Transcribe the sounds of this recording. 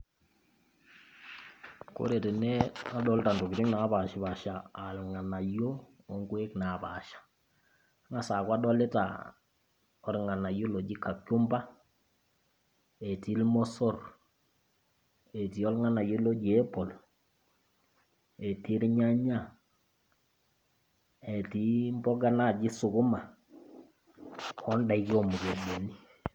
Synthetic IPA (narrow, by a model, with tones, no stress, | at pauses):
ko̰˨˦ɾe˨te˨nɛ˦a˦dɔ˦lta˨ndo˨ki˨tɪ˦kna˨˦ba˨ʃi˨βa˨ʃaː˨lŋa˨na˨jo˦ | o˨ŋɡwe˦kna˨ba̰˨ʃḁ˨˦ | ŋa˨sa˨kwa˦dɔ˦le˦ta̰˨ | ɔ˨ɾŋa˨na˨jo˦lo˨d͡ʒi˦kːa˨kjo˦mba˦ | ɛ˨ti˦lmɔ˦sɔ˦˨r | ɛ˨ti˨ɔ˦lŋa˦na˨jʊ˦lo˦d͡ʒi˨ɛ˦pɔ˨l | ɛ˨ti˦ɾi˦ɲa˦ɲa˦ | ɛ˨ti˨˦mbɔ˦ɡa˦na˦˨d͡ʒɪ˦sʊ˨kʊ˦ma˨ | ɔ˦nda˨i˦ki˦ɔ˦˨mu˨ɡe˨do˨ni˦